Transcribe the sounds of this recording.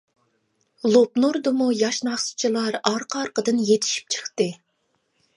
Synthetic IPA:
lˠopnuɾd̪ɨmujɑʃnɑχsu̥t͡ʃʰilˠɑɾɑɾqʰɑɾqəd̪ɨnjet̪ʰi̥ʃi̥p̚t͡ʃʰə̥χt̪ɨ

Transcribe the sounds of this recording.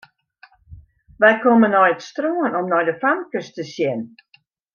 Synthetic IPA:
ʋɛjkomənːɔjətstroːənɔmnɔjdəfamkəstəsjɛn

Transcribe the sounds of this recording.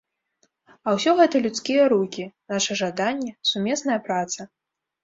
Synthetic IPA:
ɐwsʲɔɣɛt̪ɐlʲut̪skʲijɐɾukʲinaʂɐʐad̪anʲːɛsumʲɛsnɐjɐpɾat̪sɐ

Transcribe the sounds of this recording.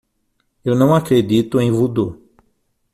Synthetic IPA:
ewnɐ̃w̃akɾed̪it̪ʊẽj̃vud̪o

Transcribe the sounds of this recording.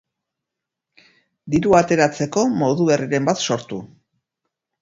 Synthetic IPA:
d̪iɾuat̪e̞ɾat͡se̞ko̞mo̞ðuβe̞riɾe̞mbat̪so̞ɾt̪u

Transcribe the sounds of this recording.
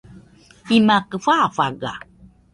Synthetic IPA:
imakəfafaɡa̰

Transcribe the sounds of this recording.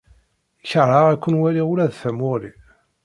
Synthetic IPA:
çəɾˤːaʁækʷːənwæliulæðθæmʊɾi

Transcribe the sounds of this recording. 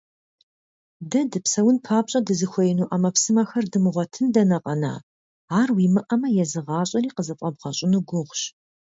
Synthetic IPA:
dɐdɨpsɐwʊnpʰaːpʼɕʼɐdɨzɨxʷɔjnuːʔɐmɐpsɨmaxɐrdɨmɨʁʷɔtʰɨndɐnɐqʼɐna̰ː | aːrwiːmɨʔɐmɐjɛzɨʁɑːɕʼɐɾiːqəzɐfʼɐbʁɐɕʼɪnuɡʷʊʁʷɕ

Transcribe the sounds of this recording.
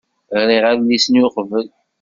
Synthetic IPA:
ʁɾiʁæɾlːisənjʊqəvəl

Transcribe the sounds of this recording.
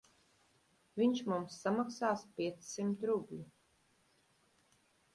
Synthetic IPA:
vʲiɲʃmumsːamaksaːspʲiɛt̪sːimt̪ɾubʲlʲi

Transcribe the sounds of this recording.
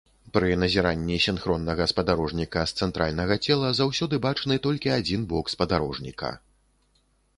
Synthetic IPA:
pɾɨnɐzʲiɾanʲːisʲinxɾɔnːɐɣɐspɐd̪aɾɔʐnʲikɐst̪sɛnt̪ɾʔalʲnɐɣɐt͡sʲɛlˠɐzawsʲɔd̪ɨbat͡ʂnɨt̪ɔlʲkʲiad͡zʲinbɔkspɐd̪aɾɔʐnʲḭkɐ̰

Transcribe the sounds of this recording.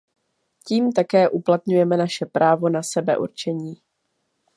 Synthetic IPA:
ciːmt̪akɛːʔuplat̪ɲujɛmɛnaʃɛpɾaːvo̞nasɛbɛ̰ʔṵɾt͡ʃɛɲiː

